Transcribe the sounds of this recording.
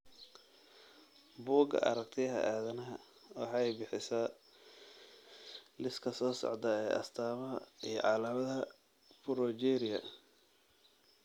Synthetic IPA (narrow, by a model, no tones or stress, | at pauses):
buːɡɐ̰ʔɐ̰ɾɐɡt̪ʰɪɐɦɐ̰ʔaːðɐnɐɦɐ | wɑ̰ħɑɛjbɪħɪsaː | lɪskʰɐsɔːsɔ̰ʕd̪ɐɛːʔɐ̰st̪ʰaːmɐɦɐ̰ijɞ̰ʕɑlɐmɐðɐ | fʊɾɔd͡ʒɛːɾɪɐ̰